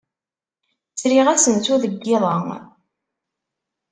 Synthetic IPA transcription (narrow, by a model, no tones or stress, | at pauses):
sɾiʁæsənt͡s̪uðəɡːɪðˤəŋ